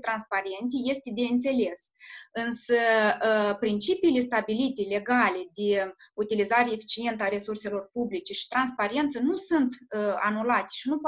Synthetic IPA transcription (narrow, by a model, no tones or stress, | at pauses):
t̪ɾanspaɾe̞nt̪ije̞st̪ed̪e̞ɨnt̪se̞le̞sɨnsə | pɾint͡ʃipiːle̞st̪abilit̪ele̞ɡaled̪eut̪ilizaɾeefi̥t͡ʃie̞nt̪əaɾe̞surse̞lo̞rpublit͡ʃe̞ʃi̥t̪ɾanspaɾe̞nt̪sənusunt̪anulat̪e̥ʃinup